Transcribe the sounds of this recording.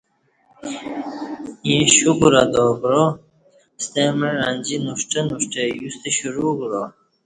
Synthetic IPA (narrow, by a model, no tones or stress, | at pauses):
jĩɕuɡuɾɐd̪oːɡɾo | st̪emeɾanʲd͡ʑinuʂʈenuʂʈejust̪eɕuɾuɡɾo